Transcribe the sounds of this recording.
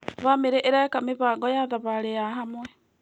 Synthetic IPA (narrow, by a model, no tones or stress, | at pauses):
βamiɾeʔeɾakamiβaɡɔjaðaβalejaɦamwɛ